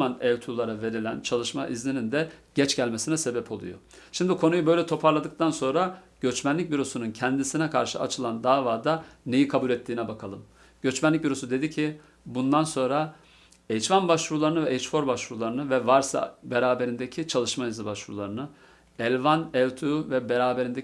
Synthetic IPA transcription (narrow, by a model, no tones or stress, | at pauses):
anɛlt̪ʰulˠaɾave̞ɾilʲænt͡ʃʰalˠɯʃmaʔizlʲinind̪ɛɟ̥ɛt͡ʃɟælʲmesinɛse̞bɛpʰolˠṵjo̰ | ʃimd̪ikʰo̞nujubø̞jlʲɛt̪ʰo̞pʰaɾlˠad̪ɯk̚t̪ʰanso̞nɾa | ɟ̥øt͡ʃmænlʲic̚biɾo̞sununcʰɛnd̪isinɛkʰa̰ɾʃɯa̰t͡ʃʰɯlˠand̪aːvaːd̪ane̞jikʰabulʲɛt̪ʰːiːnɛbakʰalˠɯm | ɟ̥ø̞t͡ʃmænlʲːic̚viɾo̞sud̪e̞d̪icʰi | bund̪anso̞nɾa | ejt͡ʃvanbaʃvuɾlˠaɾɯnɯvɛʔejt͡ʃfo̞ɾbaʃvuɾulˠaɾɯnɯvɛvaɾsa̰beɾaːbe̞ɾind̪ecʰit͡ʃʰalˠɯʃmaizlibaʃvuɾulˠaɾɯnɯ | ɛlʲvanɛvt̪ʰuvɛbeɾaːbeɾind̪e